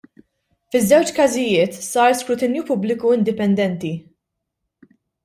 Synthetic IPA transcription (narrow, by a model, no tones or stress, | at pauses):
fɪzːɛwt͡ʃkɐzɪjɪːt̪sɐːɾskɾʊt̪ɪnjupʊblɪkuɪnd̪ɪpɛnd̪ɛnt̪i